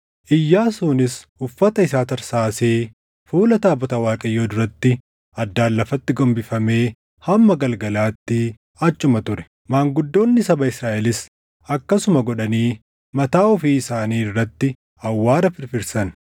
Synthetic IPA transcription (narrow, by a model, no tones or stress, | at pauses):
ʔɪjːaːsuːnɪs | ʊfːɐt̪ɐɪsaːt̪ɐɾsaːseː | fuːlɐt̪aːbɔt̪ɐwaːkʼɐjːoːd̪ʊɾɐt̪ːɪ | ʔɐd̪ːaːlːɐfɐt̪ːɪɡɔmbɪfɐme̞ː | hɐmːɐɡɐlɡɐlaːt̪ːɪ | ɐt͡ʃʼːʊmɐt̪ʊɾɛ̥ | maːŋɡʊd̪ːo̞ːnːɪsɐbɐɪsɾaːʔɛlɪs | ɐkːɐsʊmɐɡɔᶑɐniː | mɐt̪aːʊfiːɪsaːniːrːɐt̪ːɪ | ɐwːaːɾɐfɪɾfɪɾsɐn